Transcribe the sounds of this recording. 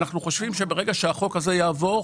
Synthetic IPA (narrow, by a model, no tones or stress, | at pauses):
naχnuχo̞ʃvimʃebe̞ʁe̞ɡaʃeaχo̞kaze̞jaːvo̞